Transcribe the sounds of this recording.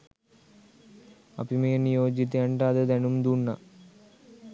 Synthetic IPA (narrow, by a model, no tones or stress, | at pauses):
ɐ̰bimejɐnijo̞ːd͡ʑit̪̬ːeːɳɖɐðɨd̪ɐnumd̪unːɐ